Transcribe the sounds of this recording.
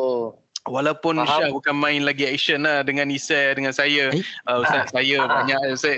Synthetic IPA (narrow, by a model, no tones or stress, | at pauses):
o | walawpʊnʃahbukanmãɪnlaɡiɛk̚ʃənlahdəŋãnisɛdəŋãnsajaʔəsasajabaɲaksa